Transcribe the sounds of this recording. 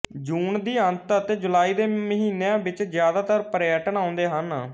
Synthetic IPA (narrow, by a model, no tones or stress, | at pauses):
d͡ʒuːnd̪iːənt̪ət̪eːd͡ʒʊlaːiːd̪eːməɦiːneãːbɪt͡ʃzjaːd̪aːt̪əɾpəɾjəʈəɳaːʊ̃nd̪eːɦən